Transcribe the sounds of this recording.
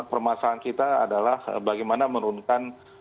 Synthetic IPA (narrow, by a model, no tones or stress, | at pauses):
pərmasaːnkit̪aːdalahbaɡajmanaməɾunkan